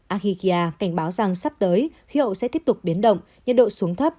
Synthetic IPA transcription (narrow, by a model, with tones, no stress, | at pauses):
ʔaː˧xi˧ki˧ʔaː˧ka˧˩ŋ̟ɓaː˨˦wza˨˩ŋsa˦˥p̚t̪əː˨˦jxi˨˦ɦə̰˧˨wsɛ̰˧˥t̪i˦˥əp̚t̪ʊ˨˩k͡p̚ɓi˨˦nɗə̰˧˨wŋ͡m | ɲə̰˧˨nɗo̰˧˨su˨˦əŋt̪ʰə˦˥p̚